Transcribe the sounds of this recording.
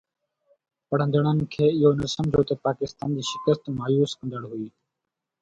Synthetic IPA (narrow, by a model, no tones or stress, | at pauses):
pəɽ̤ə̃nd̪əɳən̆kʰeːɪɦoːnəsə̃md͡ʒʱjoːt̪əpaːkɪst̪aːnd͡ʑiːʃɪ̥kəst̪maːjuːskə̃nd̪əɽɦʊiː